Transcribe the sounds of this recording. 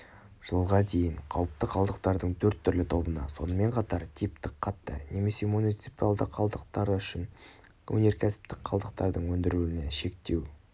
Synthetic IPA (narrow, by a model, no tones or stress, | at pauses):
ʒ̥əlˠʁɑd̪e̞jɪɴqʰɑwəp̚t̪əqʰɑlˠd̪əq̚t̪ɑɾd̪əɴt̪ʰɵɾt̪ʰːʏɾlɪt̪ʰo̞bənɑ̰so̞̰nəme̞ɴqʰɑt̪ɑɾt̪ʰijp̚t̪ɪkqʰːɑt̪ːə̰ne̞me̞se̞munijt̪sipalˠd̪əqʰːɑlˠd̪əq̚t̪ɑɾəʏʃɪn | wʔɵ̰ne̞ɾkʲʰæsɪ̥p̚t̪ɪk̚qʰɑlˠd̪əqt̪ɑɾd̪əɴwɵnd̪ɪɾuɪneʃe̞k̚t̪e̞w